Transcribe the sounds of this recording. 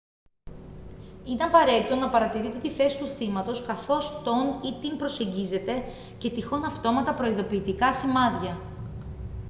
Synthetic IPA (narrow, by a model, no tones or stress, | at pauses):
ineɐpɐɾe̞t̪it̪o̞nɐpɐɾɐt̪iɾit̪e̞t̪iθe̞si̥t̪uθimɐt̪o̞skɐθo̞st̪o̞nit̪inpɾo̞se̞ɲɟize̞t̪e̞ | ce̞t̪ixo̞nɐft̪o̞mɐt̪ɐpɾo̞iðo̞piːt̪ikɐsimɐðʝɐ